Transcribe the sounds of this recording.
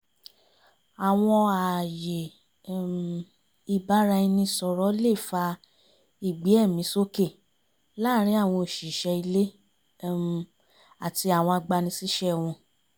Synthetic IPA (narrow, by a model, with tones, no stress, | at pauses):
a˨w̃ɔ̃˧a˨je˨ | i˧˨ba˨˦ɾa˧i˧nĩ˧˨sɔ˧ɾɔ˨˦le˦˨fa˧ | i˦˨ɡ͡bi˨˦ɛ˦˨mĩ˨˦so˦ke˦˨ | la˦ɾ̃ĩ˨˦a˦˨w̃ɔ̃˧o˨ʃi˨ʃɛ˧i˧le˦ | a˨ti˧a˨w̃ɔ̃˧a˧ɡ͡ba˧nĩ˧si˦ʃɛ˦˨w̃ɔ̃˧